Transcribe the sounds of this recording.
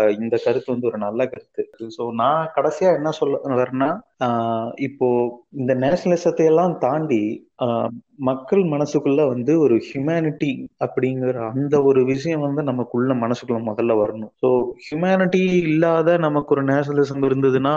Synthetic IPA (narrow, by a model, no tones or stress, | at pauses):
ɪnd̪ɐkɐɾɯt̪ːɯʋɐnd̪ɯɔɾɯnɐlːɐkɐɾɯt̪ːɯsoːnãːkɐɽɐsɪjaːɛnːɐsɔlːʋɾeːnːaː | ɪpːoːɪnd̪ɐneːʂɐnɐlɪsɐt̪ːɐjɛlːãːt̪aːɳɖi | mɐkːɐɭmɐnɐsːɯkːɯɭːɐʋɐnd̪ɯɔɾɯhjʊmaːnɪʈːiɐpːɐɽɪŋɡɐɾɐːnd̪ɐɔɾɯʋɪʂɐjɐ̃ʋɐnd̪ɯnɐmːɐkːʊɭːɐmɐnɐsɯ̥kːɯɭɐmɔðɐlːɐʋɐɾɐɳʊ̃soːhjʊmaːnɪʈiɪlːaːðɐnɐmɐkːɔɾɯneːʂɐnɐlɪsɐmɪɾɯnd̪ɐðɯnaː